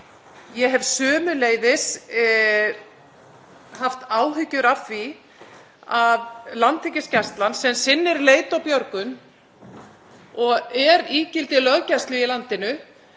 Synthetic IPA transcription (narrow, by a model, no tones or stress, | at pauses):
jɛɦɛvsœːmʏleːjðɪs | haft̪aːwɦʏcːʏɾafi | aðlant̪ʰɪcɪscast̪lansɛmsɪnːɪɾleːjt̪awpjœɾkʏn | ɔɣɛɾiːcɪlt̪ɪlœɣcast̪lʏilant̪ɪnʏ